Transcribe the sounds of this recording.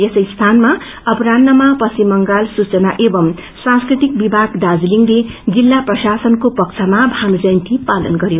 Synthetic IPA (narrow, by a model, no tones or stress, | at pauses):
esʌjst̪ʰanma | ʌpɾanːʌmapʌsimːʌŋɡalsut͡sʌnaʔebʌm | sãskrit̪ik̚bibʱaɡd̪ad͡zliŋled͡zilːaprʌsasʌnkopʌk̚t͡sʰamabʱamd͡zʌjnt̪ʰipalʌ̰nɡʌɾjo